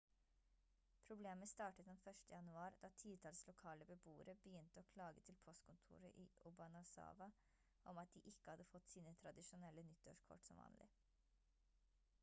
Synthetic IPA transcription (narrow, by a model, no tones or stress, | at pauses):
pʰɾʊbleːməst̪ɑːʈət̪d̪ɛnfœʂʈəjɑnʉɑːɾd̪ɑːt̪ʰiːt̪ʰɑlslʊkʰɑːləbəbuːə̰ɾəbəjʏnt̪əɔːkʰlɑːɡət̪ʰɪlpʰɔst̪̚kʰʊnt̪ʰṵːɾə̰ʔiːʔʊbɑnɑsɑ̰ːʋɑ | ʔɔmɑt̪̚d̪iʔɪkːəhɑd̪ːəfɔt̪ːsiːnət̪ʰɾɑd̪ɪʂʊnɛlːənʏt̪ːɔʂkʰɔ̰ʈsɔ̰mʋɑ̰ːnlʔɪ̰